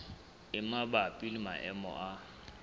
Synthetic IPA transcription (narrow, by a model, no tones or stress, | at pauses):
ɪmabapʼilima̰ʔɛmɔ̰ʔa